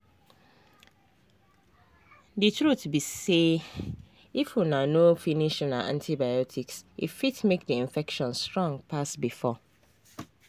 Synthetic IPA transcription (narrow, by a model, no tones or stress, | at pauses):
dɨtʰɾutbise | ifjunãnofiniʃnãʔã̰ntʰibajɔtʰiksḭfitmek̚diĩɱfɛkʃɔ̃nstɹɔ̃ŋɡpʰasbifɔ